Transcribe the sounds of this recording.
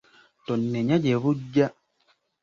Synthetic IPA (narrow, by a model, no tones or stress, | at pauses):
tɔnːɛɲad͡ʒeβud͡ʒa